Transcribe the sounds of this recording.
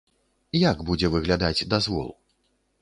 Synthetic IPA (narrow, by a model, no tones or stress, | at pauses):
jaɡbud͡zʲɛvɨɣlʲad̪ad͡zʲd̪azvɔ̰lˠ